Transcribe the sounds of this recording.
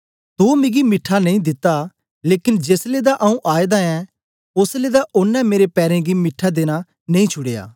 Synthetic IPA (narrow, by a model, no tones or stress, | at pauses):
t̪umẽɡimɪʈʰːañĩd̪ɪt̪ːa | leːkɪnd͡ʒeːsled̪aʔɐũʔaːed̪aɛ̃ | ʊsled̪aʔʊnːɛ̃meːɾepɛːɾɛ̃ɡimɪʈʰːad̪eːña | nẽĩt͡ʃʰʊɽeja̰ː